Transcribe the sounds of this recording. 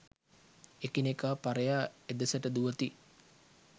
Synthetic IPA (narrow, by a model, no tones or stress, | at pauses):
ekinekaːpaɾəjaːed̪əsəʈəd̪uʋət̪i